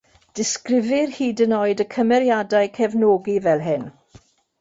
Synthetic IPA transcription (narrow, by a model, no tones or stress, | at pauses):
d̥ɪskrɪvɪrhiːdənoːɨdəkʰəmɛɾjadaɨkʰɛvnoːɡivɛlˠɦɪn